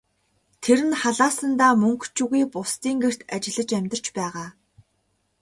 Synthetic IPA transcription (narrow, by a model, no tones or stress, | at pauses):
t̪ʰeɾɘ̆nχaɮaːsə̆nt̪aːmɵŋkt͡ɕʰuɣiːpʊst̪iːŋɡer̥t̪at͡ɕɪ̆ɮə̆t͡ɕæmʲt̪ə̆r̥t͡ɕpæːʁaː